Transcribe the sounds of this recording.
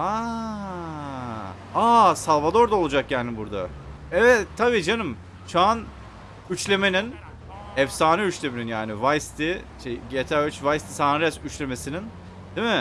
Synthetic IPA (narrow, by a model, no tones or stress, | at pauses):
a | asalˠvad̪o̞ɾd̪aolˠud͡ʒak̚ɟaːnɪbuɾd̪a̰ | ɛvɛt̪tʰːabiːd͡ʒanɯm | t͡ʃʰan | yt͡ʃlʲe̞me̞nin | ɛfsaːnɯyt͡ʃlʲemeninjaːnɪvajst̪iʃejɟet̪ʰæyt͡ʃvajst̪ʰi̥saːnɾɛsyt͡ʃlʲe̞me̞sinin | d̪̥imɪ